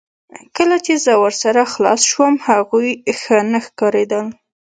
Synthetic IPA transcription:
kəlat͡ʃezəwəɾsaɾaxlɑ̰sʃwəmhaɣujxənaxkɑɾed̪əl

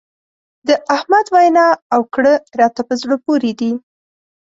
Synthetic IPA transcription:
d̪əʔahmad̪wajnɑawkɽəɾɑt̪apəzɽəpoɾed̪i

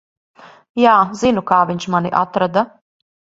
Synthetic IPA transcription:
jaːzinukaːviɲt͡ʃmaniʔa̰t̪ɾad̪a

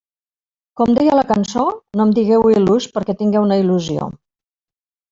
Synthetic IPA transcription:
kɔmd̪ɛjələkənsonomd̪iɣɛwiluspəɾkɛt̪iŋɡɛwnəiluzio̰

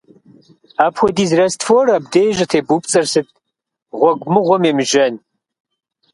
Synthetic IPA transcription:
aːpxʷɔdiːzrɐstfoːrɐbdeːʒɐtʰeːbupt͡sʼɐrsɨt̚ʼ | ʁʷɔɡʷmɨʁʷɔmeːmɨʒɐn

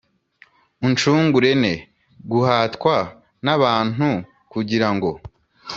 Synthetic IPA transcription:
unt͡ʃuːŋɡuɾe̞ne̞ | ɡuhaːtkwa | naβaːn̥u | kuɟiɾaŋɡo̞

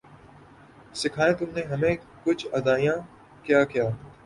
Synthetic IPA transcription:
sɪkʰaːẽːt̪ʊmneɦɐmẽː | kʊt͡ʃʰɐd̪aːijãː | kjaːkijaː

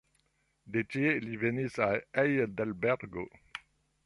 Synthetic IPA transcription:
d̪et̪jelivenisaɛjd̪albɛʁɡo

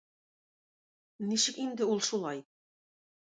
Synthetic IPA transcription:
niʃɘkind̪ɘulˠʃulˠɑj

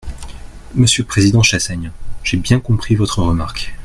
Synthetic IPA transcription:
məsjøləpχezid̪ɑ̃ʃasaɲɛ̃ʒ̥ebjɛ̃kɔ̃pχivɔt̪χəʁəma̰ʁk

